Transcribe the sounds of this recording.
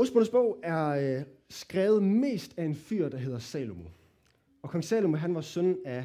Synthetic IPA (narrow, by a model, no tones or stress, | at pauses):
osb̥on̩sb̥ɔ̽ʊ̰æɐsɡ̥ʁɛːʊð̩ˠme̝̰ːsd̥æe̝nfy̰ɐ̰d̥ɑ̈ɦe̝ðˠɐsɛ̰ːlomo̝ | ɒ̽kʰɒ̽ŋsɛ̰ːlomoɦænʋɑ̈sœnæ